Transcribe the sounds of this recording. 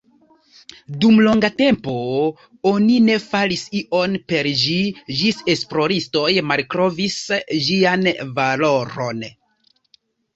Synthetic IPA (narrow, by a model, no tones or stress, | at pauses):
dumlo̞ŋɡate̞mpo̞ | o̞nine̞falisiʔo̞npe̞ɾd͡ʒid͡ʒise̞splo̞ɾisto̞jmalkɾo̞visʒianvalo̞ɾo̞̰n